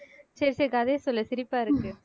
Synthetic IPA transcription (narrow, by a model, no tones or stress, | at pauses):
seɾsekɐðeːsɔlːɐsɪɾɪpːaːɪɾɯkːɯ